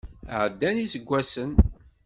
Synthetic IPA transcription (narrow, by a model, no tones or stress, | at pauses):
ʕəd̪ːænisəɡʷːæsən